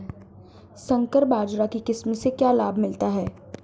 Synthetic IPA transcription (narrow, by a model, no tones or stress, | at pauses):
sɐ̃ŋkəɾbaːd͡ʒɾakikɪsmsekjaːlaːbmɪlt̪aɦɛː